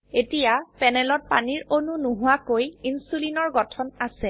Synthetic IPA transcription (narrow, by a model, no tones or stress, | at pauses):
etijapɛnɛlɔt̚pa̰niɹonunuɦʊwakojinsulinɔɹɡɔtʰɔnasɛ